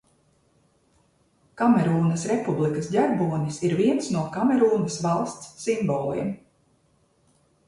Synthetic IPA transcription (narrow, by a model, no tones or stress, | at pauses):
kamɛɾuːnɐsɾɛpublˠikɐsdaɾbuɔnʲisiɾviɛnsnuɔkamɛɾuːnɐsʋalˠst̪sːimbɔːlˠḭɛm